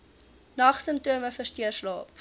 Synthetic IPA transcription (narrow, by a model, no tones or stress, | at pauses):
nɐχsəmptuəməfərstiərslɑːp